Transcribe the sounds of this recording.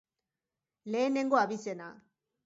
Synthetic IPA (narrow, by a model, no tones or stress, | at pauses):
leːneŋɡoaβisena